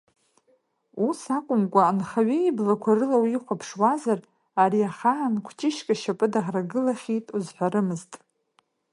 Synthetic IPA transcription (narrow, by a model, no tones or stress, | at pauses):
usakʷʼʊmkʷʼaːnχaɥeiblakʷʰaɾɨlawiχʷapʰʂwazar | aɾiaχaːnkʷʰt͡ʃʼɪʃkʼaʃapʼɨdaʁraɡɨlaχʲitʼuzħʷaɾɨmɨztʼ